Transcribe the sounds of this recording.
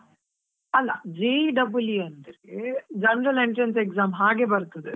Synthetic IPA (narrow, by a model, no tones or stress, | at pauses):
ɐlːa̰d͡ʒeːɖɐbuljuɐnd̪ɐɾed͡ʒɐnɾɐleɳʈɾɐnsekzaːmɦaːɡebɐɾt̪ɐd̪e